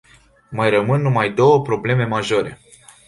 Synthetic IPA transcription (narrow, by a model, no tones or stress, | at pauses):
majrəmɨnːumajd̪o̞wəpɾo̞ble̞me̞maʒo̞ɾe̞̰